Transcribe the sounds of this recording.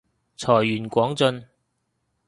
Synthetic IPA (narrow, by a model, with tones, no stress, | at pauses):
t͡sʰɔː˨˩jyː˨˩nkʷɔː˨˥ŋt͡sɵ˧n